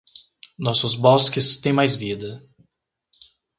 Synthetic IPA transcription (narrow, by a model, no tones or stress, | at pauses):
nɔsʊzbɔskɪst̪ẽj̃majzvid̪ɐ